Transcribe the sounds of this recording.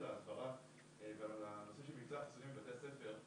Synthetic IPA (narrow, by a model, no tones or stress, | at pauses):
laasbaʁa | evealanosiʃemift͡saχi̥sunimivat̪ease̞fe̞ʁ